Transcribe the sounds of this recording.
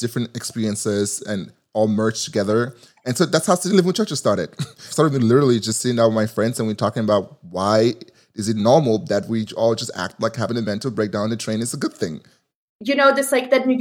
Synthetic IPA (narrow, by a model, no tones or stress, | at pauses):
d̥ɪfɹɨ̃ntɨkspɪɹiɨ̃nsɪz̥ɨ̃n | ɔlˠmɜ˞t͡ʃtʰɨɡɛðə˞ | ɨ̃nsoʊðætshaʊsilɪvɪ̃ŋðt͡ʃʰɜ˞t͡ʃɨz̥stɑɹɾɨ̰d̥stɑɹɾɨd̚milɪɾə˞l̩ˠid͡ʒʌstsiɪ̃ŋðat̚wɨðmaɪfɹɛ̃ndzɨ̃nwitʰɔkɪ̃ŋəbaʊt̚waɪ | ɨzɨtⁿnɔɹml̩ˠðɨt̚wiɔlˠd͡ʒʌstæ̰k̚t̚ˡlaɪkhævɪ̃ŋɨmɛ̃ntˡl̩ˠbɹeɪk̚dãʊ̃nðɨtʰɹ̥ẽɪ̃nɨtsəɡʊd̪̚θɪ̃ŋ | jɨnoʊd͡ʒɨslaɪk̚ðɨd̚mi